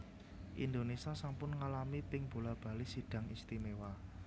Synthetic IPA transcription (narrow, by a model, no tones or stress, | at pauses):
ʔḭnd̪onesiasaŋpʊnŋalamipɪŋb̥o̤lab̥ä̤lisiɖ̥ä̤ŋist̪imewa